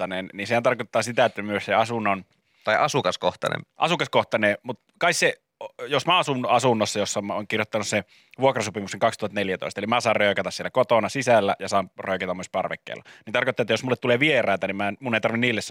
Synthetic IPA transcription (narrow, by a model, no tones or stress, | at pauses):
ɑnenninsehænt̪ɑrkot̪ːɑːsit̪æet̪ːæmyøsseɑsunːɑn | t̪ɑiʔɑsukɑskoht̪ɑ̰nḛmʔɑ̰sukɑskoht̪ɑnemut̪kɑikse | josmæɑsunɑsunːosːɑjosːɑmoːŋkirjot̪ːɑnusse | ʋuokrɑsopimukseŋkɑkst̪uhɑt̪neljæt̪o̰ist̪elimæsɑːrrøˑøkɑt̪ɑsielækot̪onɑsisælːæ̰jɑsɑːmrøˑøkæt̪ɑmyøspɑrʋḛkːḛːlːɑnint̪ɑrkot̪ːɑˑet̪ːjosmulːet̪t̪uleʋierˑɑˑːt̪ænimmænmunːeˑit̪ɑrʋinniːlːes